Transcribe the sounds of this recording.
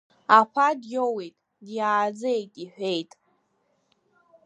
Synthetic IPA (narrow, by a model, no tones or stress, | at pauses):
apʷʰadjowejtʼ | djaːd͡zejtʼiħʷᶣe̞jtʼ